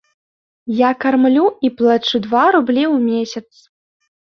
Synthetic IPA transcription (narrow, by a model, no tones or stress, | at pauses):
jakarmlʲuiplˠat͡ʂud̪vaɾublʲiwmʲesʲɐt̪s